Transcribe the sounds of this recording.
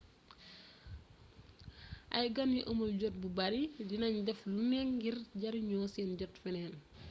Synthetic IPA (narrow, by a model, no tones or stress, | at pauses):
ʔɐ̰jɡɐnjiʔomɐlɟɔt̚bubɐɾidinɐɲdɛflunɛŋɡirɟɐɾiɲɔːsɛnɟɔtfɛnɛːn